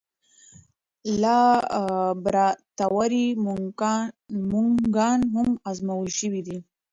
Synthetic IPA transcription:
lɑ | bɾat̪awaɾi | muŋɡɑnɦʊmazmawəlʃəwid̪i

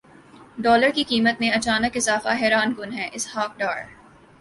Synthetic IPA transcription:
ɖɔːləɾkikiːmət̪̚mẽɐt͡ʃaːnəkɪzaːfaɦɛːɾaːnɡʊnɦɛːʔɪshaːk̚ɖaːɾ

